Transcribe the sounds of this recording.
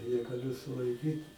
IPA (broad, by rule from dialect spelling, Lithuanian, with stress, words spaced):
nʲɛɡɐˈlʲʊ sʊlˠɐɪˈkʲiːt